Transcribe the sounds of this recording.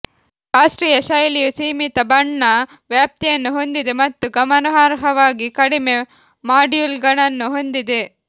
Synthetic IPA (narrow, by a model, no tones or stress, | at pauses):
ɾaːʂʈɾiːjɐʃɐjlijusiːmit̪ɐbɐɳːɐ | ʋjaːp̚t̪ijɐnːuɦo̞nd̪id̪emɐt̪ːuɡɐmɐnɐɦaːɾɦɐʋaːɡikɐɽime̞ | maːɖjuːlɡɐɳɐnːuɦo̞nd̪id̪e̞